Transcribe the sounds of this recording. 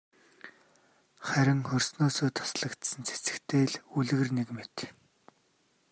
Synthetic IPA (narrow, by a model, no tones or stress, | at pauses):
χæɾʲɪ̆ŋχɵrʲsnoːsoːt̪ʰʊ̥sɮə̆kt̪sə̆nt͡sʰe̥t͡sɘ̆kt̪ʰeːɮuɮ̆ɣɘ̆rnekmet̪